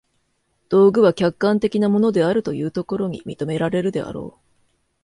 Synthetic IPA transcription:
d̪̥o̞ːɡɯ̟β̞akʲakːãnt̪e̞kʲinamo̞no̞d̪e̞aɾɯ̟t̪o̞jɯ̟ːt̪o̞ko̞ɾo̞ɲ̟ḭmʲḭt̪o̞me̞ɾaɾe̞ɾɯ̟d̪e̞a̰ɾo̞̰ː

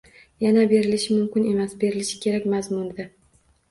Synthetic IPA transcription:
janabe̞ɾɪlɪʃɪmʊmkʲɪne̞masbe̞ɾɪlɪʃɪ̥kʲʰe̞ɾakʲmazmʊnd̪ɪ

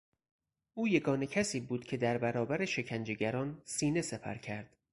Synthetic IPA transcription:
ʔuːje̞ɡɒːnecʰæsiːbuːd̪̥cʰe̞d̪æɾbæɾɒːbæɾeʃe̞cʰænd͡ʒe̞ɡæɾɒːnsiːne̞sepʰæ̰ɾcʰæɾd̪̥

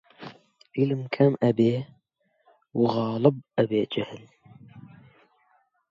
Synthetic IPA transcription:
ʔiləmkʰamʔabeː | wɣɑːlɨb̚ʔabeːd͡ʒahl

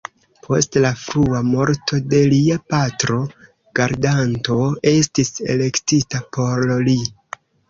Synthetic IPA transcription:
pʰo̞̰stlafɾuamo̞ɾtʰo̞de̞liapatɾo̞ | ɡ̥aɾdanto̞e̞stise̞̰le̞ktitapʰo̞ɾli

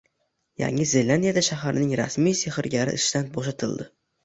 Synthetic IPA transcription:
ja̰ŋɪzelʲand̪ijad̪aʃaɦaɾɪnɪŋɾa̰smijseχɪɾɡʲaɾɪ̰ʔɪʃt̪anboʃat̪ʰɪlˠd̪ɪ

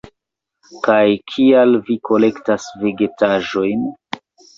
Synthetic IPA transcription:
kajkʰialvikʰo̞le̞ktasve̞ɡe̞taʒo̞jn

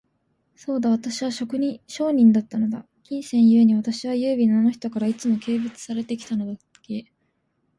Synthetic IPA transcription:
so̞ːd̪aβ̞at̪aɕiβaɕo̞kɯ̟ɲ̟iɕo̞ːɲ̟ĩnd̪at̪ːano̞d̪a̰ | kʲĩɰ̃sẽ̞ɰ̃jɯ̟e̞ɲ̟iβat̪aɕiβ̞ajɯ̟ːbʲinano̞çi̥t̪o̞kaɾait͡sɨmo̞ke̞ːbɯ̟t͡sɨ̥saɾe̞t̪e̞kʲi̥t̪ano̞d̪a | ke̞

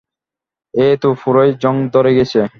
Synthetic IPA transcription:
et̪ufuɾojd͡ʑɔŋd̪ɔɾeɡet͡ɕʰe

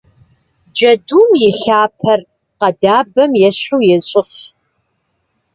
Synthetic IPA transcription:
d͡ʒɐduːmjɪɬaːpʰɐr | qɐdaːbɐmjɛɕħuwjɛɕʼɪf

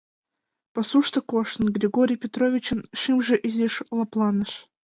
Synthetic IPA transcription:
pɐsuʂt̪ə̆koʂnɡɾʲɪɡoɾʲɪjpʲɪt̪ɾovʲɪt͡ɕɪnʂɨmʐɨ̆ʔizʲeʂlˠɑplˠɑnə̆ʂ

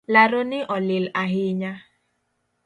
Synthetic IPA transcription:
laɾonɪʔɔlɪlaɦɪɲa

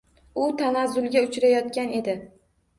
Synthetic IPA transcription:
ʊt̪ʰanazːʊlˠɡʲaʊt͡ʃɾajɒt̪kʲane̞d̪ɪ

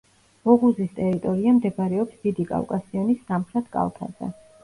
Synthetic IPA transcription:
ɔʁuzist̪ʼɛɾit̪ʼɔɾiamd̪ɛbɾɛɔpsd̪̥id̪ikʼa̰lkʼasiɔnisːamχɾɛt̪ʰkʼa̰lˠt̪ʰa̰z̥ɛ̰

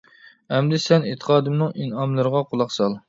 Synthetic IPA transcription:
ɛmd̪ɪsɛnit̪ʰə̥qʰɑːd̪ɪmnɨŋinɑmlˠɨɾəʁɑqʰolˠɑqsɑlˠ

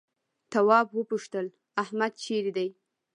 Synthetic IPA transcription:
t̪awɑbwəpuʃt̪əl | ahmad̪̚t͡ʃeɾid̪aj

